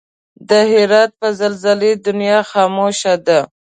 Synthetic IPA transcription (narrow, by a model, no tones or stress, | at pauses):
d̪əɦɪɾɑt̪̚pəzalzaled̪ʊnjɑxɑmoʃad̪a